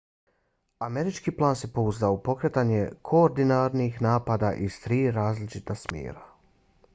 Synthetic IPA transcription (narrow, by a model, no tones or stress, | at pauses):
ame̞ɾit͡ʃkiːplˠaːnse̞po̞uzd̪aoupo̞kɾet̪aɲekʰo̞oɾd̪inaɾnixnaːpad̪aʔizt̪ɾiːɾaːzlit͡ʃit̪asmʲjḛːɾa